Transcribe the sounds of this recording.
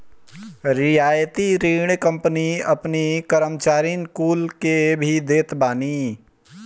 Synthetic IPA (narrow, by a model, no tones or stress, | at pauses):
ɾɪjaːjət̪iɾiːɳkə̃mpəniɐ̰pnikəɾəmt͡ʃaːɾinkuːlkebʱid̪eːt̪baːni